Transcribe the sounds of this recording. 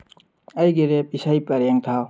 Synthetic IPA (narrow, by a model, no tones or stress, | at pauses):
ɐjɡeɾep̚isajpɐɾeŋt̪ʰa